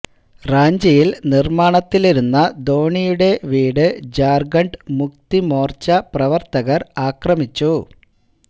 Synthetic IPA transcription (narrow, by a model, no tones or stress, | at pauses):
raːɲd͡ʑɐjilnirmaːɳɐt̪ːiliɾunːɐd̪o̞ːɳijuɽe̞ʋiːɽɨd͡ʑaːrɡɐɳɖmuk̚t̪imo̞ːrt͡ɕɐprɐʋɐrt̪ɐɣɐraːkrɐmit͡ɕːu